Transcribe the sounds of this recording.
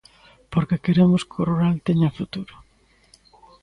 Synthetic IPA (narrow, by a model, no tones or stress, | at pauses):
poɾkekeɾemʊskoruɾalt̪eɲɐfut̪uɾʊ